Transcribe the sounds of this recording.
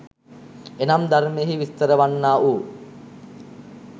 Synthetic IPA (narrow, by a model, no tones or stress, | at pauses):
enamd̪armejəɦiʋist̪əɾəʋanːaːʔuː